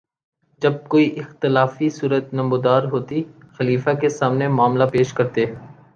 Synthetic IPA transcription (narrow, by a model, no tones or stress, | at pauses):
d͡ʒɐb̚koːiʔɪxt̪ɪlaːfisuːɾət̪nɐ̃mʊd̪aːɾɦoːt̪i | xɐliːfakesaːmnemaːmlapeːʃkɐɾt̪eː